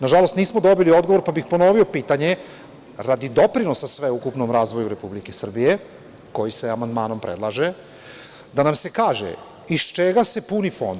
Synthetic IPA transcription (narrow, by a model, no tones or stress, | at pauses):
naʒalost̪niːsmo̞d̪o̞bilio̞d̪ɡo̞ʋo̞ɾpabixpo̞no̞ʋio̞piːt̪aɲe̞ | ɾad̪id̪o̞pɾinosasʋeukupnomɾaːzʋo̞juɾe̞publike̞sr̩bije | ko̞jiseamand̪maːno̞mpɾḛd̪lˠaʒe | d̪anamse̞kaːʒḛ | ist͡ʃeɡase̞punifo̞̰nd̪